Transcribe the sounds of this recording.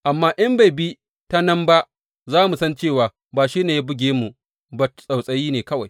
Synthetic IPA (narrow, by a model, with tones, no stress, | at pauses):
ʔa˨mːaː˦ʔɐ˦mba˨jbi˦ | ta˦nɐ˦mba˦ʔ | zaː˦mu˨sɐ˦nt͡ʃeː˦˨waː˨ | baː˨ʃiː˦neː˨ja˦bʊ˦ɡʲeː˦mu˨ | ba˨sʼa˨wsʼɐ˨jiː˦neː˨kɐ˦wa˨j